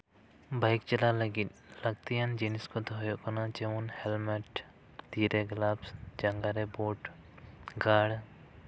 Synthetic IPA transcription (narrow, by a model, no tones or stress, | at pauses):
bajkt͡ʃɛlaləɡit̪̚ˀləɡt̪ijand͡ʒiniskɔt̪ɔɦɔjɔʔkɔnat͡ʃɛwunhɛlmɛʈ | t̪iɾɛɡlabsd͡ʒaŋɡaɾɛboʈ | ɡaɽ